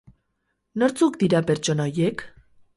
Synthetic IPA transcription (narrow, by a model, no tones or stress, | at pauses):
noɾt͡sukd̪iɾape̞ɾt͡ʃo̞naojek